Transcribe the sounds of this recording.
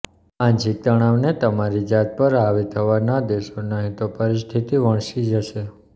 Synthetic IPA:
ãɲd͡ʒik̚t̪əɽ̃aʋnet̪əmaɾid͡ʒat̪̚pəɾaʋit̪ʰəʋanad̪eʃonaɦit̪opəɾist̪ʰit̪iʋəɳ̃ʃid͡ʒəʃe

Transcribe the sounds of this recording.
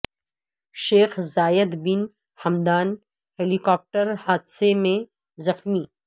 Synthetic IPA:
ʃeːxzaːjəd̪bɪn | hɐmd̪aːn | heːlikɔːp̚ʈəɾhaːd̪semẽ | zɐxmiː

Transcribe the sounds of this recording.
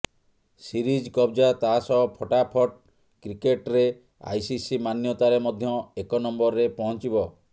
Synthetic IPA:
siɾid͡ʒkɔbd͡ʒat̪aɦasɔɔpʰɔʈapʰɔʈ | kɾikeʈɾe | a̰jsisimanjɔt̪aɾemɔd̪ʱjɔekɔnɔmbɔɾɾepɔɦɔ̃nt͡ʃibɔ

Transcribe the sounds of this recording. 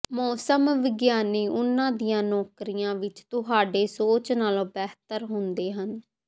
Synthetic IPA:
mɔːsəmʋɪɡjaːniːʔʊnːãːd̪ijãːnɔːkɾijãːʋɪt͡ʃt̪ʊɦaːɖeːsoːt͡ʃnaːlõːbɛːɦt̪əɾɦʊnd̪eːɦən

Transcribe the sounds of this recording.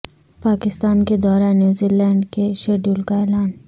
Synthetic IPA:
paːkɪst̪aːnked̪ɔːɾanjuːziːlɛ̃ːɳɖkeʃeːɖjuːlkaeːlaːn

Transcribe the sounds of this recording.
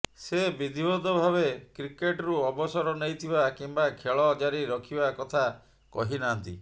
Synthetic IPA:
sebid̪ʱibɔd̪ɔbʱaβekɾikeʈɔɾuɔbɔsɔɾɔnejt̪ʰibakimbakʰeɭɔd͡ʒaɾiɾɔkʰibakɔt̪ʰa | kɔ̰ɦinant̪ḭ

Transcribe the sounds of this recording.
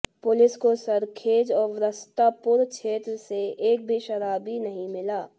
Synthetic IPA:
pʊlɪskosəɾkʰeːd͡ʒɔːɾʋɾəst̪apʊɾt͡ʃʰeːt̪ɾəseeːk̚bʱiʃɐɾaːbinəɦĩmɪlaː

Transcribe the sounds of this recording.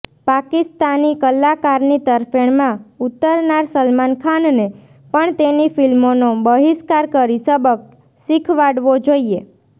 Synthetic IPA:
pakist̪anikəlːakaɾnit̪əɾfeɳmãut̪ːəɾnaɾsəlmankʰanne | pəɳt̪enifilmonobəɦiskaɾkəɾisəbək̚ | sikʰʋaɽʋod͡ʒoie

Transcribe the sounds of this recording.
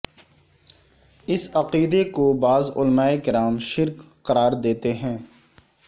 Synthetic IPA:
ɪsɐqiːd̪ekobaːzʊ̰lmaːekɪɾaːmʃɪɾk | qɐɾaːɾd̪eːt̪eɦɛ̃ː

